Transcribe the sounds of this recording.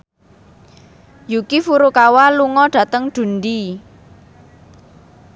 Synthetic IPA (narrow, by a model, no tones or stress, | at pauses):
jukifuɾukawaluŋɔɖ̥a̤t̪əŋɖ̪̥ṳnd̪i